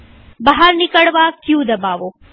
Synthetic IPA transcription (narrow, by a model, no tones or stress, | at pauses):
bɐɦaɾnɪkəɽʋakjũːd̪ɐbaːʋoː